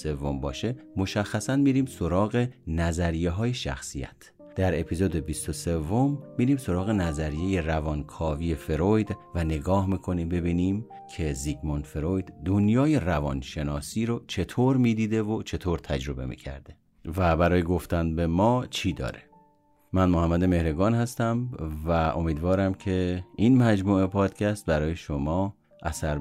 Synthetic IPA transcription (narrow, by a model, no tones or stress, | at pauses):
se̞vːo̞mbɒ̰ːʃe̞mo̞ʃæxːæsænmiːɾiːmso̞ɾɒːɣe̞næzæɾije̞ɦɒːje̞ʃæ̰xsijæ̰t̪ʰ | d̪̥æɾe̞pʰiːzod̪ebist̪o̞se̞vːo̞mːiːɾiːmso̞ɾɒːɣe̞næzæɾije̞je̞rævɒnkʰɒːviːje̞fe̞ɾojd̪væne̞ɡɒːhmiːkʰo̞niːmbe̞biːniːm | kʰe̞ziɡmonfe̞ɾojd̪d̪onjɒːje̞rævɒnʃe̞nɒːsiːɾot͡ʃʰe̞t̪ʰoɾmiːd̪iːd̪evot͡ʃʰe̞t̪ʰoːɾt̪ʰæd͡ʒɾo̞be̞̰mḭːcʰæ̰ɾd̪e̞ | væbæɾɒːjeɡo̞ft̪ænbe̞mɒːt͡ʃʰiːd̪ɒ̰ːɾe̞ | mænmohæmːæd̪e̞me̞hɾeɡɒːnhæst̪æmvæʔo̞̰miːd̪vɒːɾæmcʰe̞inmæd͡ʒmuːe̞pʰɒːd̪̥cʲʰæst̪̚bæɾɒːje̞ʃomɒː | ʔæsæɾ